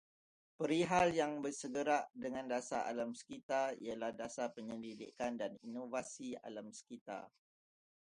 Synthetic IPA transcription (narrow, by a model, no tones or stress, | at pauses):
pəɾiɦaljaŋbəsəɡəɾaʔdəŋãndasa̰a̰lamsə̥kit̪aḭalahdasapəɲədidḭkandaninovasia̰lamsə̥kit̪a̰